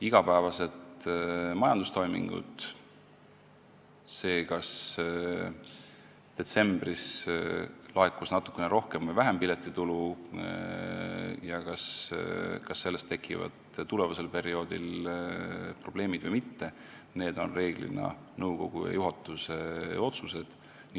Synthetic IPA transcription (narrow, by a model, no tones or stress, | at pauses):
iɡ̥ɑpæːvɑse̞t̪mɑjɑnd̪̥ust̪o̞jmḭŋɡ̥ṵt̪ | se̞ːkɑs | d̪̥e̞t̪se̞mb̥ris | lɑekːusnɑt̪ːˑu̥kːˑeneɾo̞hke̞mvəjvæɦempilet̪ːˑit̪ulu | jɑkɑs | kɑsːe̞lːest̪ːe̞kʰːˑivɑ̰d̪̥ | t̪ule̞vɑse̞lpe̞ɾio̞ːd̪il | pro̞b̥le̞ːmid̪̥vɨjmit̪ːe̞ | ne̞ːd̪̥o̞̰nre̞ːɡ̥lḭnɑ̰ | nɤwɡo̞ɡ̥ujɑ̰juɦɑt̪ːˑuseo̞t̪suse̞d̪̥ | n